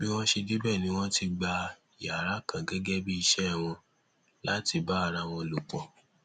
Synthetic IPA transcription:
bi˦w̃ɔ̃˦ʃe˧di˦bɛ˦˨nĩ˨˦w̃ɔ̃˦ti˧ɡ͡ba˧˨ | ja˨ɾa˦kã˨ɡɛ˨˦ɡɛ˦bi˦i˧ʃɛ˦˨w̃ɔ̃˧ | la˦ti˧ba˦a˦˨ɾa˧w̃ɔ̃˧lu˨k͡pɔ̃˨

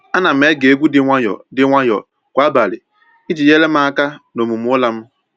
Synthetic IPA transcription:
a˦na˨m̩˨˦e˦ɡe˦ɡʷu˦dɪ˦ŋʷa˦jɔ̰˨dɪ˦ŋʷa˦jɔ̰˨ | kʷa˦ba˨lɪ˨ | i˦d͡ʒi˨je˦le˦m̩˦a˦ka˦no˨mu˨m̩˦ʊ˦la˦m̩˦

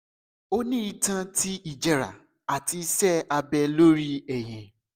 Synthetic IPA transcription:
o˦nĩ˦i˧tã˧ti˦i˨d͡ʒɛ˧ɾa̰˨ | a˨ti˧˦sɛ˦˨a˧bɛ˧lo˦ɾi˦ɛ˨j̃ɛ̃˨

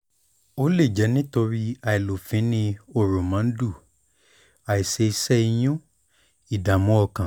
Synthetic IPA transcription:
o˦le˦˨d͡ʒɛ˨˦nĩ˦to˧ɾi˦a˧i˨lo˨fĩ˨˦nĩ˧o˦˨ɾo˨mã˨˦n̩˦du˦˨ | a˨i˨se˧i˧sɛ˦i˧j̃ũ˦ | i˦˨da˨mũ˦ɔ˧kã˨

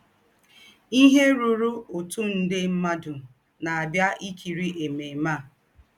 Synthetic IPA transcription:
i˦ɦe˦ɾu˦ɾu˦o˨tu˦n̩˦dɪ˦m̩˦ma˦dʊ˨ | na˨a˨dja˦ʔi˦kʰi˨ɾi˦ʔe˨me˨ma˦˨

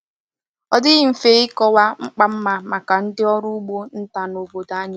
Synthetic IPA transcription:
ɔ˦dɪ˦ɣɪ˦m̩˨fe˨˦ɪ˦kɔ˦wa˦ŋ͡m̩˦k͡pa˦m̩˦ma˨ma˨ka˨n̩˦dɪ˦ɔ˦ɾʊ˦ɡ͡bo˦n̩˦ta˨no˨bo˨da˦ɲ˦

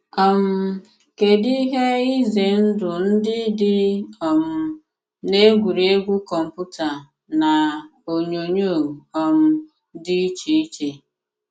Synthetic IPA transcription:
ɔ˦m̩˦ | ke˨di˦ɦe˦i˦ze˨n̩˦dʊ˨n̩˦dɪ˦dɪ˦ɔ˨m̩˦ | ne˦ɡʷu˨ɾe˦ɡʷu˦kɔ˨m̩˨pu˦ta˨ | na˨o˨ɲo˨ɲo˦˨ɔ˨m̩˦ | dɪ˦i˦t͡ʃi˦i˦t͡ʃe˨

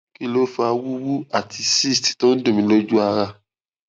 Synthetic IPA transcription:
ki˦lo˦fa˧wu˦wu˦a˦˨tʰi˧si˦˨sttõ˦n̩˦dũ˦˨mĩ˨˦lo˦d͡ʒu˦a˧ɾa˧

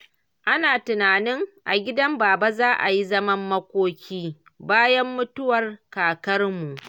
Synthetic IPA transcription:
ʔa˦naː˨tʊ˨naː˨nɪ˦ŋʔa̰˨ɡʲɪ˦dɐ˦mbaː˨ba˦zaː˦ʔa˨ji˦zɐ˦mɐ˦mːɐ˦kʷoː˦kʲʰiː˦ | baː˦jɐ˦mːʊ˦tʊ˦wɐ˨rkaː˨kɐ˦rmu˨ʔ

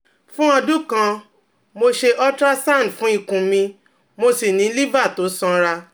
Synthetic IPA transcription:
fũ˦ɔ˧du˦kã˧ | mo˧ʃe˧ʔɔ˦tɾa˦sã˦˨fũ˦i˦˧kũ˧mĩ˧ | mo˧si˨nĩ˨˦li˦va˦˨to˨˦sɔ̃˧ɾa˧

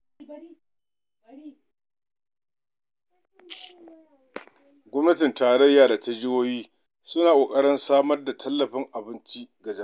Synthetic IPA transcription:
ɡʷɔ˦mnɐ˦tɪ˨ntaː˨ɽɐ˦jːaː˨da˨tʰa˦d͡ʒɪ˦woː˦jiː˦ | sʊ˦naː˨kʷʼoː˨kʼɐ˦ɽɪ˦nsaː˦mɐ˦rda˨tʰɐ˦lːɐ˨ɸɪ˦ŋʔa˨bɪ˦nt͡ʃi˦ɡa˨d͡ʒ

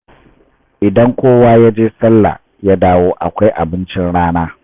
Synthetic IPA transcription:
ʔɪ˨dɐ˦ŋkʷoː˦waː˦ja˦d͡ʒeː˦sɐ˦lːa̰˨ | ja˦daː˦woː˦ʔa̰˨kʷa˦jʔa̰˨bɪ˦nt͡ʃɪ˦nɽaː˦naː˦

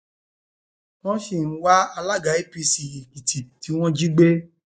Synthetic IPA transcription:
wɔ̃˦ʃi˦˨ñ̩˦wa˦a˧la˦ɡa˨˦i˦pi˧si˨jĩ˨ki˨tʰi˨ti˨˦w̃ɔ̃˦d͡ʒi˦ɡ͡be˦

